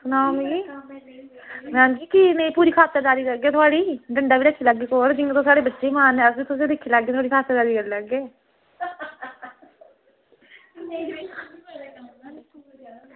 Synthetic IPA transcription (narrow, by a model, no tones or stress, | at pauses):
sʊnaːmɡiː | mɛ̃ːnd͡ʒiːkɪnəĩːpuːɾiːkʰaːt̪ːəɾd͡ʒaːɾiːkəɾɡeːt̪ʰʊaːɽiːɖəɳɖaːʋiːlekʰːiːləɡːeːkoːɾd͡ʒɪneːt̪õːsaːɽeːbətːʃeːmaːnɛːəsbit̪ʊselɪkʰːiːlaɡeːt̪ʰʊaːɽiːkʰaːt̪ːəɾd͡ʒaːɾiːkəɾːləɡeː